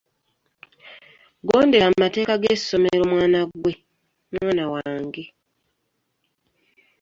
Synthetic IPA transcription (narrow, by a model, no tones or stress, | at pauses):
ɡoːnde̞ɾammate̞ːkaɡeso̞meɾo̞mwaːnaɡwe̞ | mwaːnawaːŋɡe̞